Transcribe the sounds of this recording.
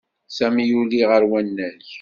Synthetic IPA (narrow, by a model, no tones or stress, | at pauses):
sæmjuliʁəɾwænːælç